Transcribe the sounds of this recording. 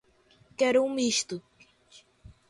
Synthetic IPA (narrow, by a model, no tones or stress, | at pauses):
kɛɾumiʃt̪u